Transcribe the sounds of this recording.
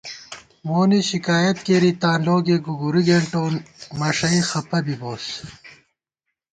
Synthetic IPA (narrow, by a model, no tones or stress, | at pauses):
moːniɕikaːjɐt̪̚keːɾit̪aːnloːɡeːɡuɡuɾiɡeɳʈoːnmɐʂɐixɐpɐbiboːs